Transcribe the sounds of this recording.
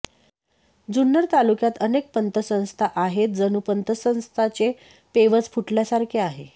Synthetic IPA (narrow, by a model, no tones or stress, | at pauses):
d͡zunːəɾt̪alukjat̪ənek̚pənt̪ʰəsə̃w̃st̪ʰaʔaɦet̪̚d͡zənupənt̪əsə̃w̃st̪ʰat͡ɕe | peʋət͡sfʰuʈljasaɾkʰeaɦe